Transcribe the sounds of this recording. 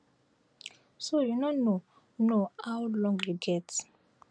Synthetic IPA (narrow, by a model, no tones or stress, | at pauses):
sojunɔno | noawlɔ̃ŋɡjuɡɛt